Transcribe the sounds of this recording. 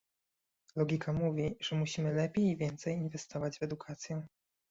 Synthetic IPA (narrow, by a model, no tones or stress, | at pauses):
lɔɡʲikamuvʲiʐ̥ɛmuɕimɘlɛpʲejivʲjɛnt̪sɛjinvɛst̪ɔvad͡ʑvɛd̪ukʰat̪sʲjɛ